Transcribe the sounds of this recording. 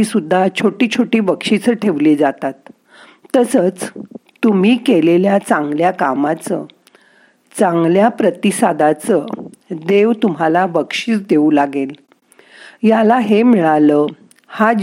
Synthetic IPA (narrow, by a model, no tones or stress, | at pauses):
isud̪ʱːat͡ɕʰoʈiːt͡ɕʰoʈiːbəkʂit͡səʈʰeʋlid͡zat̪at̪ | t̪əsət͡st̪um̤iːkeleljat͡sãŋɡljakamat͡sə | t͡sãŋɡljapɾət̪isad̪at͡səd̪eʋt̪um̤alabəkʂiːt͡sd̪eulaɡel | jalaɦemiɭalə | ha